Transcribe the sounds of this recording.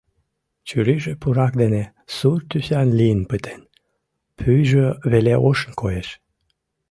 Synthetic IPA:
t͡ɕyɾiʒəpuɾɑk̚d̪ene | surt̪ysʲanlinpɨt̪ʰen | pʰyjʒəveleʔoʃnkojeʃ

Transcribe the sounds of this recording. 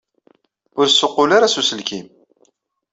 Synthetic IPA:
ʊɾsːʊqːʊlaɾasusəlkim

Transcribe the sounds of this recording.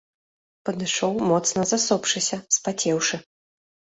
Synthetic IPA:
pɐd̪ɨʂɔwmɔt̪snɐzasɔpʂɨsʲɐspat͡sʲɛwʂɨ

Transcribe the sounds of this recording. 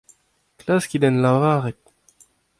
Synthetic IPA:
klaskʲid̪ɔnlavʁãaʁɛt̪

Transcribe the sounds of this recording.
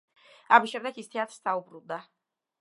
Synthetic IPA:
amisʃɛmd̪ɛɡist̪ʰɛat̪ʰɾssaubɾund̪a

